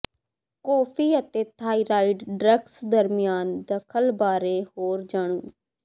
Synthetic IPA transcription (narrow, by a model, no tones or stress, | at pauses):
kɔːpʰiːət̪eːt̪ʰaːiːɾaːiɖɖɾəksd̪əɾmɪjaːnd̪əkʰəlbaːɾeːhoːɾd͡ʒaːɽ̃ũː